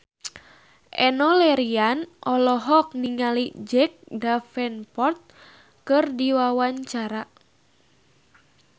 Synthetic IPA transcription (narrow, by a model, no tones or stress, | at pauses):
ʔɛnɔlɛɾianʔɔlɔɦɔk̚niŋalid͡ʒɛk̚dafɛnpɔrt̪̚ | kɨrdiwawaɲt͡ʃaɾa